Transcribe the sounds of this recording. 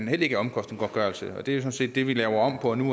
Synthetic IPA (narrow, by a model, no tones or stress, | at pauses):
nhel̰eɡ̥æɒ̽mkʰɒ̽sd̥nŋ̩ɡ̥ɒ̥ɡ̥ɶɐlsəɒ̽d̥e̝æjosɒ̽nse̝̰ːd̥ːe̝ʋilɛːʊɐɒ̽m̰pʰɒ̽nu